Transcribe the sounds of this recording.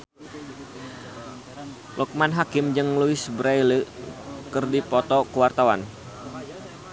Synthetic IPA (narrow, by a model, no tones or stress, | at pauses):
lʔɔk̚manɦakɪmd͡ʒɨŋluɪsbɾajləkɨrdipɔt̪ɔkuwart̪awan